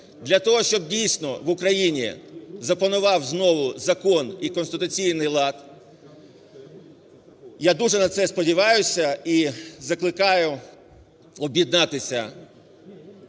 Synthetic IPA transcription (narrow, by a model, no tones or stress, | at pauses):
d̪lʲɐt̪ɔɦɔʃt͡ʃɔbdʲijsʲnɔʋʊkɾɐjinʲizɐpɐnʊʋɑwznɔʋʊzɐkɔnikɔnst̪ɪt̪ʊt͡sʲijnɪjlˠɑt̪ | jad̪uʐɛnɐt̪sɛspɔdʲiʋɑjʊsʲɐizɐklˠɪkɑjʊ | ɔbʲjid̪nɑt̪ɪsʲɐ